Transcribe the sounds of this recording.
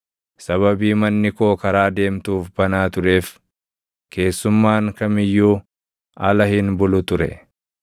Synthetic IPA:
sɐβɐbiːmɐnːɪko̞ːkɐɾaːd̪e̞ːmt̪uːfbɐnaːt̪ʊɾe̞ːf | kʰe̞ːsːʊmːaːŋkɐmɪjːuː | ɐlɐhɪnbʊlʊt̪ʊɾɛ̰

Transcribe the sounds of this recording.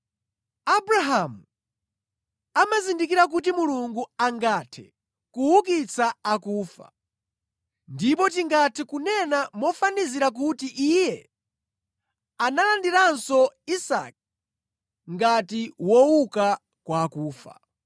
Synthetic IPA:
abɾaɦamu | amazindikiɾak̬ut̬imuluŋɡuaŋɡatʰɛ | kuwukit͡sʰaakuːfa̰ | ndipɔt̬iŋɡatʰɛkunɛnamɔfaniziɾak̬utiʔijɛ | analandiɾansɔisa̰k̚ | ŋɡatiwɔuka | kwakuːfa̰

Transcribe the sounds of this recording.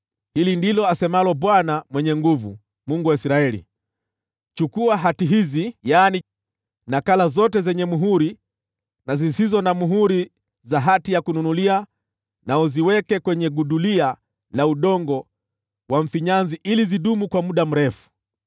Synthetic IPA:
hilindilɔasɛmalɔɓwanamwɛɲɛŋɡuvṵ | muŋɡuwaisɾaɛlḭ | t͡ʃukuaɦatiɦizijaːni | nakalazɔtɛzɛɲɛmuɦuɾi | nazisizɔnamuɦuɾi | zaɦatijakununulia | naɔziwɛkɛkwɛɲɛɡuɗulia | lauɗɔŋɡɔ | waɱ̩fiɲanziʔiliziɗumukwamuɗam̩ɾɛfu̥

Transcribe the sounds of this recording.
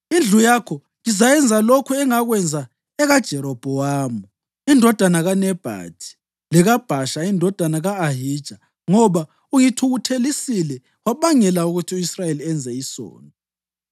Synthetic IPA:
ind͡ɮʱujakʰɔ | ŋizajɛnd͡zʱalokʰuɛŋaɣwɛnd͡zʱa | ɛɣad̥ʒ̥ʱɛɾɔb̥ʱɔwaːmɔ | indʱɔd̥ʱanaɣanɛb̥ʱa̰tʰi̥ | lɛɣab̥ʱaʃaindʱɔd̥ʱanaɣaːɦid̥ʒ̥ʱa | ŋɔβa | uŋitʰuɣutʰelisilɛ | waβaŋɛlauɣutʰiuisrajeliɛnd͡zʱɛisɔ̰ːnɔ

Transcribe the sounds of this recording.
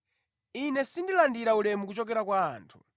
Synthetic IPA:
inɛsindilandiɾaulɛmukut͡ʃɔkɛɾakwa̰ːntʰu̥

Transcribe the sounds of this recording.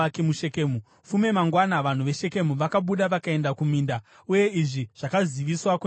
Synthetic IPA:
akemuʃe̞kemu | fume̞maŋɡwanaʋan̤uʋe̞ʃe̞ke̞muʋakaɓuɗaʋakae̞ndakumiːnda | uje̞iʐiʐ̥akaziʋiswaku

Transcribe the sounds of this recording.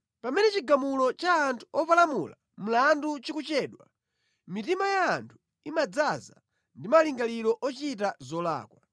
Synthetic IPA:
pamɛnɛt͡ʃiɡamulɔt͡ʃaːntʰuɔpalamula | m̩landut͡ʃikut͡ʃɛːɗwa̰ | mitimajaːntʰu̥ | imad͡zaza | ndimaliŋɡalilɔʔɔt͡ʃitazɔla̰ːkwa

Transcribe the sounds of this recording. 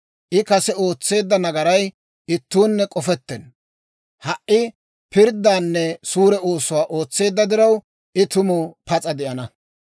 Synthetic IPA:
ʔɪkɐsɛo̞ːt͡sːe̞ːd̪ːɐnɐɡɐɾɐj | ɪt̪ːuːnːɛkʼɔfɛt̪ːɛn | hɐʔʔːɪ | pɪɾd̪ːaːnːɛsuːɾɛo̞ːsʊwaːʔo̞ːt͡sːe̞ːd̪ːɐd̪ɪɾɐw | ʔɪt̪ʊmʊpɐt͡sʼɐd̪ɛʔɐnɐ

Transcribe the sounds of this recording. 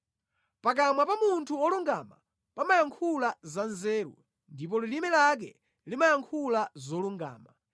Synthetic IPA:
pak̬amwapamuntʰuɔluŋɡama̰ | pamajaŋkʰulazanzɛːɾṵ | ndip̬ɔlilimɛlak̬ɛ | limajaŋkʰulazɔluŋɡa̰ːma

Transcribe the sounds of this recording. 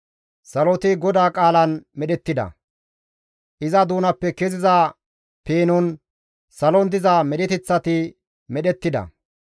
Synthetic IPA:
sɐlɔt̪ɪɡɔd̪aːkʼaːlɐnmɛɗɛt̪ːɪd̪ɐ̰ | ʔɪzɐd̪uːnɐpːɛkezɪzaː | peːnʊn | sɐlɔnd̪ɪzamɛɗɪt̪ɪt͡sːɐt̪ɪ | mɛɗɛt̪ːɪd̪ɐ̰

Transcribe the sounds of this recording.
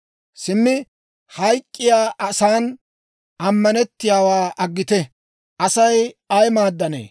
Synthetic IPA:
sɪmːɪ | hɐjkʼːɪjaːʔɐsaːn | ʔɐmːɐnɛt̪ːɪjaːwaːʔɐɡːɪt̪ɛ | ʔɐsɐjɐjmaːd̪ːɐnḛː

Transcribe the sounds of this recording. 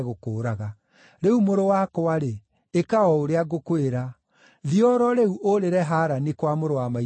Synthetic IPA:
ɣokoːɾaɣa | ɾeumoɾowakoaɾeː | kaɔoɾeaɣokweɾa | ðiɔɾɔɾeuʔoɾeɾɛɦaɾanekwamoɾowama

